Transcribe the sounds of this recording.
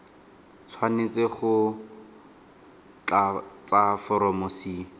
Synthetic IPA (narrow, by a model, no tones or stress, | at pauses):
t͡sʰwanet͡seχʊ | t͡ɬat͡safɔɾɔmosiː